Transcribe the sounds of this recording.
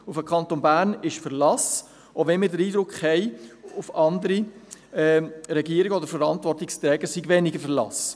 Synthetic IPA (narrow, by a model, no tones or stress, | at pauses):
ufəkʰɑnt̪onbæːɾnɪʃfəɾlɑs | ʔovɛnmɪːɾdəɾiːdɾʊkχhɛɪʊfɑnd̪əɾiɛɾɛɡiːəɾiɡəɔd̪əɾfəɾɑntvɔɾtɪkst̪ɾɛːɡəsiɡʋɛnɪɡəfəlɑ̰s